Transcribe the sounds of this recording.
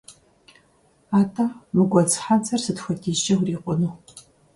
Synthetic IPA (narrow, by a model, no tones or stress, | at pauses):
aːtʰamɨɡʷɐt͡sħant͡sʰɐrsɨtxʷɐtʰiːzt͡ʃɐwriːqʷʼɔnuː